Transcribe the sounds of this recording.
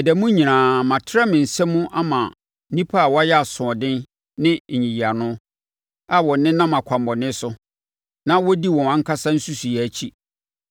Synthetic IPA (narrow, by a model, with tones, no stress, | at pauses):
ɛ˨dɛ˨mũ˦ɲĩ˨ãː˨mã˨tʰɾɛ˦mɪ̃˨n̩˨sɛ˦mũ˦ʔa˦mã˨˦ | nĩ˦pʰa˦a˨wɔ˦a˦jɛ˦a˨sʊ̃˨ɔ˨dɪ̃˦n | nɪ̃˦˨ɲĩ˨ji˨a˨nʊ̃˦ | a˨wɔ̃˨nɪ̃˦nã˦mã˨kʷʰã˨mbɔ˨nɪ̃˦sʊ˦ | nã˦wɔ˦di˦wɔ̃˨ã˦ŋ̩˦kʰa˦sã˦n̩˦su˦su˨jɛ˨æ˨t͡ɕʰi˦